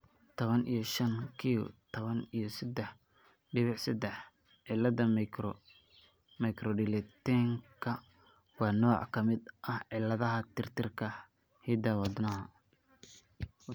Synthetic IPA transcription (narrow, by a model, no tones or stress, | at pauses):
t̪ʰɔβɐnʔḭjɔʃɐnkʰiʊ̰t̪ʰɐβɐnijɔsɐd̪ɛħ | ɖɪβɪʕsɐd̪ɛħ | ʕɪlɐðɐ | mɐjkʰrɔɖɪlɛt̪ɛŋkʰɐ | wɑːnɔːʕkʰɐmɪd̪ʔɐhʕɪlɐðɐɦɐt̪ʰɪrt̪ʰɪrkʰɐ | hid̪awɐd̪nɐɦɐ